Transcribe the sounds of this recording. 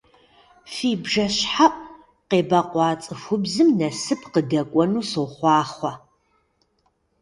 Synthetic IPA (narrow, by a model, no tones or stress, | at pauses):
fiːbʒɐɕħaʔʼ | qeːbɐqʷɑːt͡sʼɨfʷʊbzɨmnɐsɨpʰqədɐkʷʼɔnuːsowχʷɑːχʷɐ